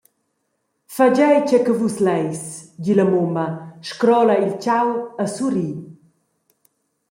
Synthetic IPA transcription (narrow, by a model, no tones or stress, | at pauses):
fad͡ʑɛjt͡ʃɛkəvuslɛjsdiləmomɐʃkɾɔlailt͡ʃawəsuɾi